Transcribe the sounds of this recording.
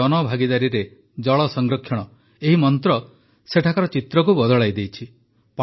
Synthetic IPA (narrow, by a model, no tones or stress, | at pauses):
ɔnɔbʱaɡid̪aɾiɾe | d͡ʒɔɭɔsɔŋɡɾɔkʰjɔɽ̃ɔ | eɦimɔnt̪ɾɔ | seʈʰakaɾɔt͡ʃit̪ɾɔk̬ubɔd̪ɔɭajd̪ejt͡ʃʰi | p